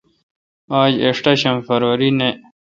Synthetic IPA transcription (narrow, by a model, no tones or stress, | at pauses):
aːd͡ʑeʂʈaɕɐmfɐɾwɐɾine